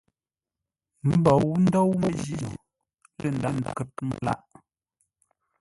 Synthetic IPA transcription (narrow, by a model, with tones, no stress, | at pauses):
m̩˦bɔ˨˦n̩˦dɔ˦wmə˦ʒi˦o˨ | lə˦˨n̩˨da˨n˨kə˨t̚mə̰˨la̰˦ʔ